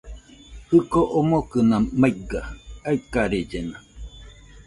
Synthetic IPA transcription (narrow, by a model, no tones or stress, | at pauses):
hɯkoʔomokɨnãmaiɡaaikaɾed͡ʒena